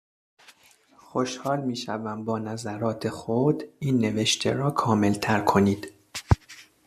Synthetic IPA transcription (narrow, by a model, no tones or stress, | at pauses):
xo̞ʃhɒːlmiːʃævæmbɒːnæzæɾɒːt̪ʰe̞xod̪iːnːe̞ve̞ʃt̪ʰḛɾɒːkʰɒːme̞lt̪ʰæɾkʰo̞niːd̪̥